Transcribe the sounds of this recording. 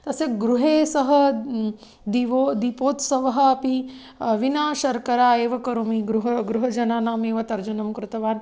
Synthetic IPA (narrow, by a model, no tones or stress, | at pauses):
t̪ɐsjɐkɡɾuɦeːsɐɦɐ | d̪iʋod̪ipoːt̪sɐʋɐɦɐ̆ɐpi | ʋinaːʃɐɾkɐɾaːeːʋɐkɐɾumiɡɾuɦɐɡɾuɦɐd͡ʒɐnaːnaːmeːʋɐt̪ɐɾd͡ʒunɐmkɾɪt̪ɐʋaːn